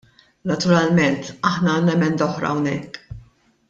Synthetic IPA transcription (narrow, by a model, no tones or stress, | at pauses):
nɐt̪ʊɾɐlmɛnt̪ɐħnɐɐːnːɛmɛnd̪ɐɔħɾɐ̰ɐwnɛkː